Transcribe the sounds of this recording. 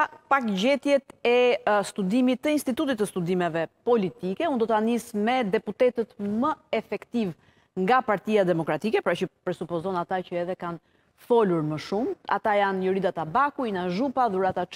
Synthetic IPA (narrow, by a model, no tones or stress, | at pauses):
pakɟɛt̪jɛt̪ɛst̪ud̪imit̪ːəinst̪it̪ut̪it̪ːəst̪ud̪imɛvɛpɔlit̪ikɛund̪ɔt̪anismɛd̪ɛput̪ɛt̪ət̪məɛfɛkt̪iv | ŋɡapaɾt̪iad̪ɛmɔkɾat̪ikɛpəɾat͡ʃəpɾɛsupɔzɔnat̪acəɛðɛkan | fɔluɾməʃuma̰t̪ajanjɔɾid̪at̪abakuinaʒupaðuɾat̪at͡ʃ